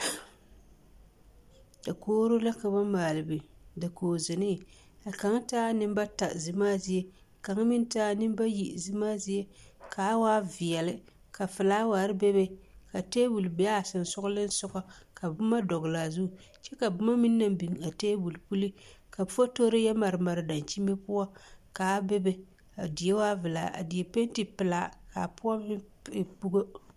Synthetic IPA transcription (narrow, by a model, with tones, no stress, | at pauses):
d̥a˨koː˦ɾʊ˦la˦ka˨ba˦maː˨lɨ˨bɨ˨da˨koː˨zɪ˨nɪ˦˨ | a˨ka˨˦ŋ˦taː˦nɨ˦m˦ba˦ta˨zɨ˨maː˦zi˦e˦˨ | ka˨ŋ˦mi˦n˦taː˦nɨ˦m˦ba˦ji˨ʔzɨ˦maː˦zi˦e˦kʰa˨˦waː˦vi˨jɛ˨lɪ˦ | ka˨fɨ˨laː˦waː˨ɾɨ˦be˦be˦ka˨te˦bu˨lbi˦a˦˨sɨ˨n˨sʊ˦ɡʊ˦lɨ˦n̩˦sʊ˦ɣa˦ka˨bʊ˦ma˦dɔ˨ɣla˨zu˦˨ | t͡ʃɛ˦ka˨bʊ˦ma˦mi˦nː˦a˦˨m˦bi˨ŋ˨a˨teː˦bu˨lpu˦li˦ka˨˦fo˦to˦ɾɨ˦jɛ˦ma˨ɾɨ˨ma˨ɾɪ˨da˨nt͡ʃi˦me˦pʊ˦wa˦ka˨˦be˦be˦ | a˨di˨e˦waː˦vɨ˨la̰ː˨ʔa̰˨di˨e˨pe˦n˦ti˨pɪ˨la˨˦ka˨pʊ˦a˦m˦˨pu˦ɡo˦